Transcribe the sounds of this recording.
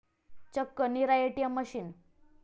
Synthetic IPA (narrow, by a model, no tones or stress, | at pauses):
t͡ɕəkːəniɾajeʈijaməɕiːn